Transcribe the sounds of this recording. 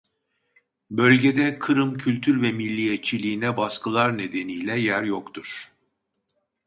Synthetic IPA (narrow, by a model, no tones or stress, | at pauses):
bø̞lʲɟed̪ɛkʰɯɾɯmcʰylʲt̪ʰyɾvɛmilʲːijɛt̪̚t͡ʃʰilʲiːnɛbaskʰɯlˠaɾne̞d̪e̞nijlʲɛjæɾjo̞kt̪ʰuɾ̥